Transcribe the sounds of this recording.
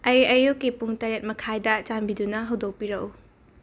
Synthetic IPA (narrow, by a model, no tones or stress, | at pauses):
ɐjɐjukːipuŋtɐɾet̚mɐkʰajdɐt͡ʃambidunɐɦɐwdok̚piɾɐʔu